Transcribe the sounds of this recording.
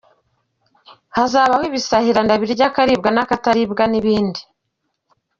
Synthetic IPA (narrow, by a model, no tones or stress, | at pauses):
hazaːβahwiβisahiɾandaβiɾɟakaɾib̚ɡanakataɾibɡaniβiːndi